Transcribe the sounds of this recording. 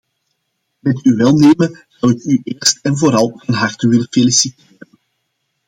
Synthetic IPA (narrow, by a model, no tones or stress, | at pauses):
mɛtyʋɛlˠneːməz̥ɑwɪkyʔeːrstɛnvoːɾɑlˠanɦɑrtəʋɪlənfelisiteːɾən